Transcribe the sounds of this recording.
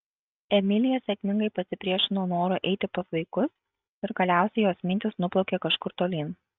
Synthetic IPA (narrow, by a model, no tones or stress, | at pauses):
ɛmʲɪlʲɪjɛsʲɛkʲmʲɪŋɡɐɪpɐsʲɪpʲɾʲiɛʃʲɪnoːnoːɾʊʔɛɪt̪ʲɪpɐsʋɐɪkʊs | ɪɾɡɐlʲæˑʊsʲɛɪjoːsmʲɪnʲt̪ʲɪsnʊplˠɔʊkʲeːkɐʃkʊɾt̪oːlʲiːn